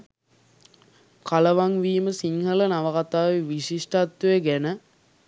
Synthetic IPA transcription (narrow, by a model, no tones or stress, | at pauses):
kaləʋaŋʋiːməsiŋhələnaʋəkat̪aːʋiʋiɕiʂʈat̪ːujeɡænə